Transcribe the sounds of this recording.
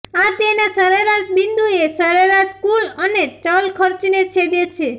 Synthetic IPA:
at̪enasəɾeɾaʃbind̪ʱuesəɾeɾaʃkulənet͡ʃalkʰəɾt͡ʃnet͡ʃʰed̪et͡ʃʰe

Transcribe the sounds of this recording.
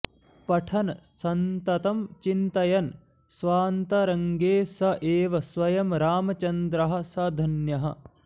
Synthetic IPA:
pɐʈʰɐnɐsɐnt̪ɐt̪ɐmt͡ʃint̪ɐjɐn | sʋaːnt̪ɐɾɐŋɡeːsɐʔeːʋɐsʋɐjɐmɾaːmɐt͡ʃɐnd̪ɾɐɦɐ̆sɐd̪ʱɐnjɐɦɐ̆

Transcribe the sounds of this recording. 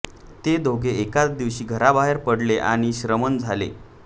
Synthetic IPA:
t̪ed̪ʱoɡʱeːkat͡sd̪iʋɕiːɡʱəɾabaɦeɾpəɽleʔa̰ɽ̃iɕɾəmənd͡zʱalḛ

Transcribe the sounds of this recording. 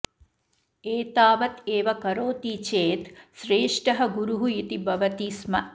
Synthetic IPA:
eːt̪aːʋɐt̪eːʋɐkɐɾoːt̪iːt͡ʃeːt̪ʃɾeːʂʈɐɦɐɡuɾuɦujit̪ibɐʋɐt̪iːsmɐ

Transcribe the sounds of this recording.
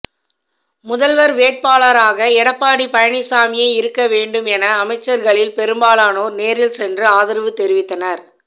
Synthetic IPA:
mʊðɐlʋɐɾʋeːʈ̚paːɭɐɾaːɣɐɛɽɐpːaːɽipɐjɐɳɪsaːmɪjɐɪɪɾɯkːɐʋeːɳɖɯmɛnɐːmɐɪt͡ʃːɐɾɣɐɭɪlpɛɾɯmbaːlaːnoːneːɾɪlsɛndrɯaːðɪɾʋɯt̪ːɛɾɪʋɪt̪ːɐnɐɾ

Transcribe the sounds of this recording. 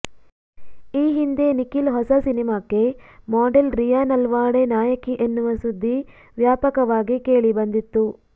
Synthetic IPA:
iːɦind̪e̞nikilɦɔsɐsinimaːke̞mɔːɖelɾijaːnɐlʋaːɽenaːjɐkiʔenːuʋɐsud̪ʱːi | ʋjaːpɐkɐʋaːɡike̞ːɭibɐnd̪it̪ːu

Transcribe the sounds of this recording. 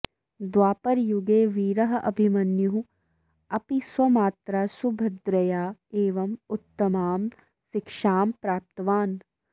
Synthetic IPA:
d̪waːpɐɾjuɡeːʋiːɾɐɦɐʔɐbʱimɐnjuɦu | ɐpiswɐmaːt̪ɾasubʱɐd̪ɾɐjaːeːʋɐmut̪ːɐmaːm | sikʂaːmpɾaːp̚t̪ɐʋaːn

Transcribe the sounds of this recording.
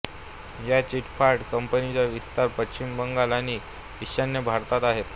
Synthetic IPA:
jat͡ɕiʈfaɾɖkəmpənit͡ɕjaʋist̪aɾpət͡ɕt͡ɕimbəŋɡalañi | ʋiɕənjəbʱaɾt̪at̪aɦet̪

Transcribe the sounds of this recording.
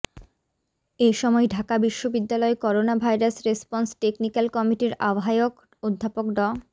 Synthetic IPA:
eʃɔmɔeɖʱakabiʃːobid̪ːalɔekɔɾonabʱajɾasɾespɔnsʈeknikalkɔmiʈiɾa̰bɦajok | od̪ʱːapokɖɔ

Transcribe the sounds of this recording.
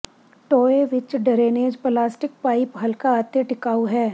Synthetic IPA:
ʈoːeʋɪt͡ʃɖɐɾeːneːd͡ʒplaːsʈɪk̚paːɪpɦɐlkaːt̪eʈɪkaːuɦɛː

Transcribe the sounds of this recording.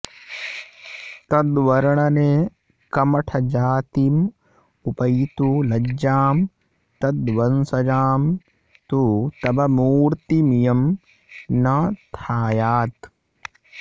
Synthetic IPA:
t̪ɐd̪ʋɐɾɐɳɐneː | kɐmɐʈʰɐd͡ʒaːt̪im | upɐjt̪ulɐaːm | t̪ɐd̪ʋɐnsɐd͡ʒaːm | t̪ut̪ɐbɐmuːɾt̪imijɐm | nɐt̪ʰaːjaːt̪

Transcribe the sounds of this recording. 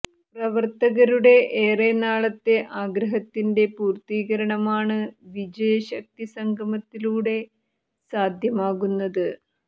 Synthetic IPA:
prɐʋɐrt̪ɐɣɐɾuɽe̞ʔeːrenaːɭɐt̪ːe̞ʔaːɡɾɐɦɐt̪ːinde̞puːrt̪iːɣɐɾɐɳɐmaːɳɨʋid͡ʑɐjɐɕɐk̚t̪isɐŋɡʱɐmɐt̪ːiluːɽe̞ | saːd̪ʱjɐmaːɣunːɐðɨ

